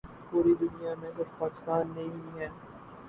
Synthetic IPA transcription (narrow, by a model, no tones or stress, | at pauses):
puːɾid̪ʊnijamẽsɪɾfpaːkɪ̥st̪aːnːɐɦĩɦɛː